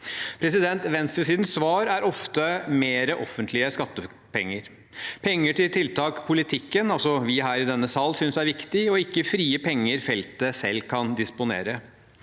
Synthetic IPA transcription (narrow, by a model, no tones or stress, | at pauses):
pʰɾɛsɪd̪ɛnt̪ʋɛnst̪ɾəs̬iːd̪n̩sʋɑːɾæɾʔɔft̪əmeːɾəʔɔfːənt̪ʰlɪəskɑt̪ːə | pɛŋːəɾ | pʰɛŋːəʈɪlt̪ʰɪlt̪ʰɑːkpʰʊlɪt̪ʰɪkːənɑlsɔʋɪɦæːɾɪd̪ɛnːəsɑːlsʏnsæɪʋɪkt̪ɪɔɪkːəfɾiːəpʰɛŋːəɾfɛlt̪əsɛ̰lːkʰɑnd̪ɪspʊnḛːɾə